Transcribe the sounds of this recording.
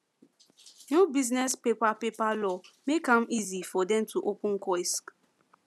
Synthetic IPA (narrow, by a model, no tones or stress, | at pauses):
nubiznɛspepapepalɔmekãmizifɔdɛ̃mtuʔopũŋ̩kɔisk